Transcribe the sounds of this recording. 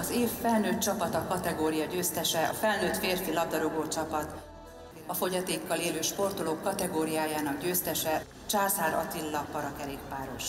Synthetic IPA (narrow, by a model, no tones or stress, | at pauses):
ɒzeːfːɛlnøːt̪̚t͡ʃɒpɒt̪ɒkɒt̪ɛɡoːɾijɒɟøːst̪ɛʃɛɒ̰fɛlnøːt̪feːrfilɒb̚d̪ɒɾoɡoːt͡ʃɒpɒt̪ | ɒfo̞ɟɒt̪eːkːɒleːløːʃpo̞rt̪o̞loːkːɒt̪ɛɡoːɾijaːjaːnɒɡɟøːst̪ɛʃɛ | t͡ʃaːsaːɾɒ̰t̪ilːɒkpɒɾɒkɛɾeːk̚paːɾo̞̰ʃ